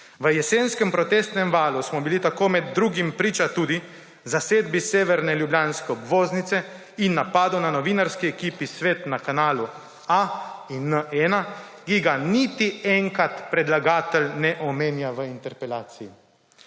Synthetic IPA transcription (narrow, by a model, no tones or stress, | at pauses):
ʋəjɛseːnskɛmpɾɔt̪eːst̪nɛmʋaːlusmɔbilit̪akoːmɛd̪̚ːɾuːɡimpɾiːt͡ʃat̪uːd̪i | zaseːd̪biseːʋɛɾnɛljubljaːnskɛɔbʋoːznit̪sɛ | inːapaːd̪onanɔʋiːnaɾskiɛkiːpisʋeːt̪nakanaːlu | ainːəʔɛna | kiɡanit̪iɛŋkat̪pɾɛd̪laɡaːt̪ɛlnɛʔɔmeːnjaʋəint̪ɛɾpɛlaːt̪sii